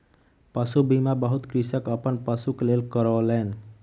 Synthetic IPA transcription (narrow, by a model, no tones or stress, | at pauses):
pəsubimãbəɦut̪kɾisəkəpənpəsuklelkəɾolen